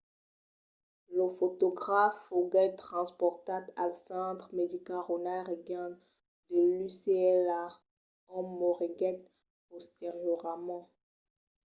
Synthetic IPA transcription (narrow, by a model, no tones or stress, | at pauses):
ləfot̪ɔɡʁafoɡɛt̪χɑ̃spɔʁt̪at̪alsɑ̃d̪ʁmed̪ikalʁonaʁeɡjɑ̃ | d̪əlyseɛla | ɔ̃mɔʁiɡɛt̪̚ | ɔst̪ɛʁjəʁamɑ̃